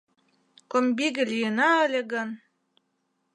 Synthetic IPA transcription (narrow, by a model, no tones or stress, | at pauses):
kombiɣɘ̆lʲijənɑəlʲĕɡɤ̆n